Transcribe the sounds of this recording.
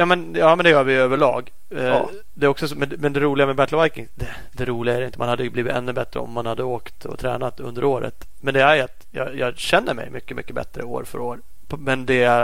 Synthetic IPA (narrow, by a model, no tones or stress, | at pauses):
jɑːmɛnjɑːmɛnd̪ɛjœːɾvɪjøːvəɭɑ̰ːɡ | d̪ɛɾɔksɔsmɛnmɛnd̪ɛɾuːlɪɡamɛbæt̪lvajkɪŋd̪ɛ | d̪ɛɾuːlɪɡaæɾjɪnt̪əmanhad̪ːəjɵbliːvɪt̪ɛ̰nːɵbɛt̪ːɾə̰ɔ̰mːanhad̪ːəoːkt̪ɔ̰t̪ʰɾɛ̰ːnat̪ɵ̰nd̪əɾoːɾə̰t̪ | mɛnd̪ɛæɾjat̪jɑ̰jɑːɕɛnːəɾmɛ̰jmʏkːəmʔʏ̰kːəbɛ̰t̪ːɾə̰o̰ːɾfœ̰ɾoːɾ | pmɛnd̪ɛæ